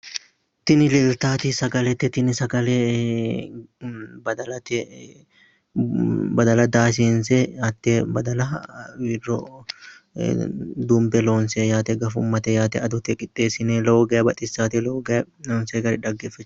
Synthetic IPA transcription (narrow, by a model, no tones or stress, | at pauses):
t̪ɪnɪlɪlt̪aːt̪isɐɡɐlɛt̪ːɛt̪ɪnɪsɐɡɐle | bɐd̪ɐlɐt̪ɛ | bɐd̪ɐlɐd̪aːs̬iːnsɛɐt̪ːebɐd̪ɐlɐwiːrːɔ̰ | d̪ʊmbɛloːnsejaːt̪ɛɡɐfʊmːɐt̪ɛjaːt̪ɛɐd̪ʊt̪ɛkʼɪt̪ʼːeːsɪneːloːɡɐjɐbɐt̪ʼɪsːaːt̪ɪloːɡɐ | loːnseːɡɐɾɛᶑ̪ɐɡːeːfɐt͡ʃː